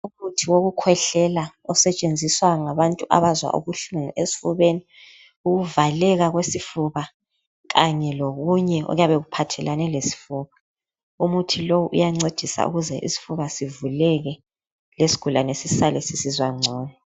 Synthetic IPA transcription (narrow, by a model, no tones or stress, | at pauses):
umutʰiwoɣukʰwɛɬɛla | ɔsɛt͡ʃʼend͡zʱiswaŋaβantʼuʔa̰βazwa̰ʔṵβuɬuŋṵʔesi̥fuβeni | uɣuvalɛɣaɣwesifuβa | ɣaɲɛloɣuɲɛɔ̰ɣjaβɛɣupʰatʰɛlanɛlesi̥fuːβa | umutʰilowuʔṵjaŋ͡ǀed̥ʱisa̰ʔṵɣuzɛʔḭsi̥fuβasivulɛɣɛ | lesi̥ɡ̥ʱulanesisalɛsisizwaŋ͡ǀʱɔːnɛ